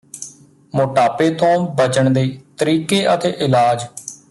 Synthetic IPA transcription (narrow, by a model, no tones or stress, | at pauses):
moːʈaːpeːt̪õːbət͡ʃəɳd̪eiːt̪əɾiːkeːʔət̪eːʔɪlaːd͡ʒ